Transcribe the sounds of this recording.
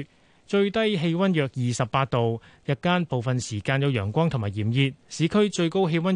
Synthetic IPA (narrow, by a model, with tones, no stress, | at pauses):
t͡ʃɵ˧ɥt̪ɐ˥jɦe˧jwɐ˥njœː˨k̚jiː˨sɐ˨p̚paː˧t̚t̪o˨wjɐ˨˧t̚kːaː˥npo˨wfɐ˨nsiː˨˩kaː˧njɐ˨˧wjœː˨˩ŋkʷɔː˥ŋt̪ʰʊ˨˩ŋmaː˨˩jiː˨˩mjiː˧t̚siː˨˧˥kʰɵ˥ɥt͡ʃɵ˧ɥko˥wɦe˧jwɐ˥n